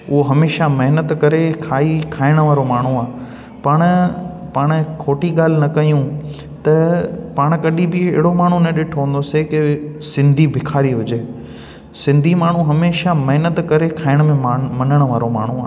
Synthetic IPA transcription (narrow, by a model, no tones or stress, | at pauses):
ʊɦoɦɐmeːʃamɐɦnət̪kɐɾekʰaːikʰaːɪɽ̃əʋaːɾomaːɳ̤ũaː | pɐɽ̃paːɽ̃kʰoːʈiɠaːl̤ɪnɐkɐijũ | t̪ɐpaːɽ̃kɐɗĩbɪɪ̰ɦɪɽomaːɳ̤ũnɐ̃ɗɪʈʰʋə̃nd̪osekɪsɪ̃nd̪ʱibʱɪkʰaːɾiɦʊd͡ʑeː | sɪ̃nd̪ʱimaːɳ̤ũɦɐmeːʃamɐɦɪnət̪kɐɾekʰaːɪɽ̃mẽmɐnəɽ̃ʋaːɾoma̰ːɳ̤ũa̰ː